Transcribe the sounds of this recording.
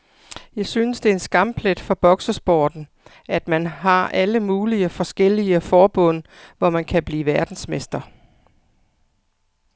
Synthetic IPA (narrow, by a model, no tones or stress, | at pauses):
jɑ̈ɪsynəsd̥e̝ɐe̝nsɡ̥ɑ̈m̰b̥le̝d̥fɒ̽b̥ɒ̽ɡ̥səsb̥ɒːd̥n̩ | ʔæd̥mænɦɑ̈ʔæləmuːliəfɒ̽sɡ̥el̰iəfɒːb̥ɔ̽n̰ʋɒmænkʰæb̥liːʋæɐd̥n̩smesd̥ɐ